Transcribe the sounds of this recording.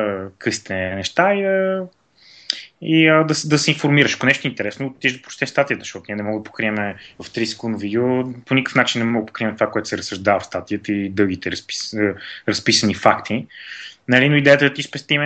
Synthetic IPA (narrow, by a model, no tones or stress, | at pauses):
kɤsi̥t̪ɛnɛʃt̪aiə | iəd̪ɐsd̪ɐsɛĩnfoɾmiɾəʃɐ̥konɛʃt̪oint̪ɛɾɛsnott̪ːiʒd̪ɐpɾ̥t͡ʃt̪ɛfst̪at̪ijət̪ə̥ʃt̪ɔt̪nʲiɛnɛmɔɡəd̪əpo̥kɾiɛmɛvəft̪ɾisɛ̥kund̪ʊviɡʲoponikə̥fnat͡ʃinːɛmɔɡəpo̥kɾiɛmɛt̪ovakoɛt̪ʊ̥sɛɾəsəʒd̪avəfst̪at̪ijət̪əid̪ɤlɡ̟it̪ɛɾsiɾɐspisənifakt̪ʰi | nɐlinoid̪ɛjət̪əd̪t̪ispɛst̪imɛ